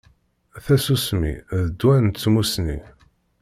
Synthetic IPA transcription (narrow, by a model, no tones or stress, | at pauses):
θæsusmḭðəd̪wænt̪t͡sːmusni